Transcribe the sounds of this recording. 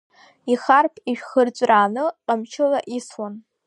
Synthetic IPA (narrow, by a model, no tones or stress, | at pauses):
iχarpʰiʃᶣχərt͡ɕʷʼraːnɨqʼamt͡ʃʰɪlaʔiswan